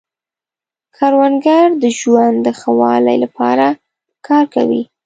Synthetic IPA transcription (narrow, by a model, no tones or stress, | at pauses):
kʰɑɾwanɡaɾd̪əʒwand̪əxawɑla̰jlapɑ̰ɾa | kʰɑɾka̰wḭ